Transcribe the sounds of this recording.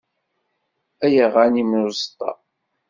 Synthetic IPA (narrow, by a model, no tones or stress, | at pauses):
æjəʁænimozt̪ˤːɑ̰